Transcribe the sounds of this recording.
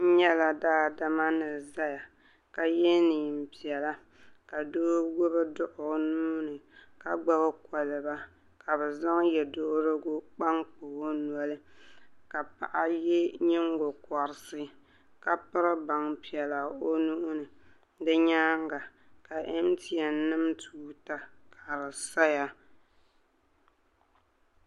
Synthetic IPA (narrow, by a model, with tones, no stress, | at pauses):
ɲɛ˦la˨daː˦da˨ma˦nɨ˨za˦ja˨ | ka˨je˦niː˨m̩˨pi˨ɛ˨la˦ | ka˨doː˦ɡo˦bɨ˦dʊ˦ʔʊ˨˦nuː˦nɨ˨ka˨ɡ͡ba˦ba˦kɔ˨lɨ˨ba˦ | ka˨bɛ˨za˦ŋ˦jɛ˨do˦ɾɨ˦ɡʊ˦k͡pa˦ŋk͡po˨ho˦nwɔ˨lɨ˦ka˨pa̰˨ʔa˦je˦ɲɪ˦ŋɡo˨kɔ˨ɾɪ˨sɨ˦ | ka˨pɨ˦ɾɨ˦ba˨ŋpi˨ɛ˨la˨o˦nuː˦ʔʊ˦nɨ˨ | dɨ˦ɲaː˦ŋɡa˨ | ka˨ʔe˦m˦ti˨ɛ˨˦nɨ˦mtʰuː˦ta˦ka˨ɾɨ˨sa˦ja˨